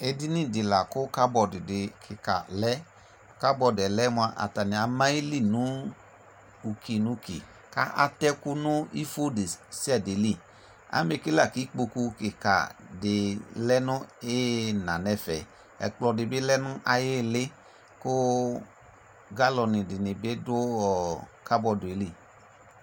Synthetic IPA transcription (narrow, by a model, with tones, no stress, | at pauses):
e˧di˦nĩ˦˨dɪ˨la˨kʊ˦ka˦bɔ˧˨dɪ˨dɪ˨kʰɪ˨ka̰˨lɛ˦ | ka˦bɔ˧˨dɛ˨lɛ˦mu˧a˧ʔa̰˨ta˨nĩ˨a˨mã˦i˦li˦˨nũ˨˦ | u˧ki˧nũ˨˦kḭ˨ | ka̰˦ʔa̰˦tɛ˦ku˦nʊ̃˦i˦fo˦de˨si˦ɛ˦˨de˨li˦˨ | a̰˦me˧ki˦la˦˨ki˨˦k͡po˧ku˧ke˨ka̰˨dɪ˨lɛ˦nʊ̃˦e˦na˨nɛ˧fɛ̰˨ | ɛ̰˨k͡plɔ˧dɪ˨bɪ˦lɛ˦nʊ˦ʔa˧je˦˨le˦ | kʊ˦ | ɡa˦lɔ˧nĩ˨dɪ˨nɪ˨be˦dʊ˦ɔ˨ka˦bɔ˧dʊ˨e˨˦li˦˨